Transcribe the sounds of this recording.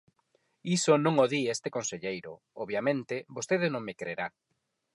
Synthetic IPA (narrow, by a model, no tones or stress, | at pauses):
isonõŋoðiest̪ekonseʎejɾo̰ | oβjamẽnt̪ebost̪eðɪnõŋmekɾeɾa